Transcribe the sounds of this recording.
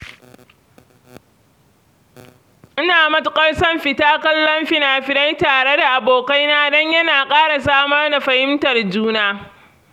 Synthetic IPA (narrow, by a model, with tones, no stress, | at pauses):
ʔɪ˦naː˨mɐ˦tʊ˦kʼɐ˦rsɐ˦mɸɪ˨taː˦kɐ˦lːɔ˦mɸɪ˦naː˨ɸɪ˨na˦jtaː˨ɽe˦da˨ʔa˨boː˨ka˦jnaː˦dɔ˦ɲjɐ˦naː˨kʼaː˦ɽa˨s̬aː˦mɐ˦rda˨ɸɐ˨hɪ˦mtɐ˨rd͡ʒuː˦naː˦